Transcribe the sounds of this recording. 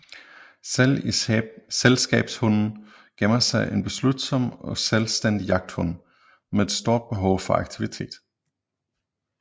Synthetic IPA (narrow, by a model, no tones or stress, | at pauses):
iselsɡ̥ɛ̰ːb̥shɔnn̩ | ɡ̥enɐsɑ̈ɪʔe̝nb̥e̝slud̥sɒ̽m̰ɒ̽selsd̥en̰d̥ijɑ̈ɡ̥̚d̥hɔ̽n̰ | meed̥sd̥o̝ɐ̰d̥̚b̥e̝ɦɒ̽ʊfɒ̽ɑ̈ɡ̥̚t͡sʰiʋit͡sʰe̝̰ːd̥